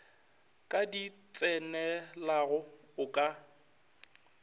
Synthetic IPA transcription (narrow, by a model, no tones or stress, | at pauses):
kʼadit͡sʼɛnɛlaɣʊ | ʊkʼa